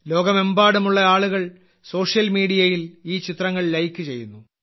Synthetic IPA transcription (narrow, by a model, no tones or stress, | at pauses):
lo̞ːɡɐme̞mbaːɽumuɭːɐaːɭuɣɐɭ | so̞ːʂjɐlmiːɽijɐjiliːt͡ɕit̪rɐŋːɐɭlɐjkːɨt͡ɕe̞jːunːu